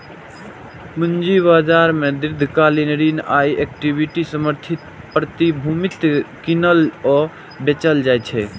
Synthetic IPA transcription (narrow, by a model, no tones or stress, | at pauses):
mund͡ʒibad͡ʒaɾmed̪ɾɪd̪ʱkalinɾinajekʈibiʈisəməɾt̪ʰit̪ | pɾət̪ibʱumit̪kinəlɔ | bet͡ʃəld͡ʒajt͡ʃʰɛ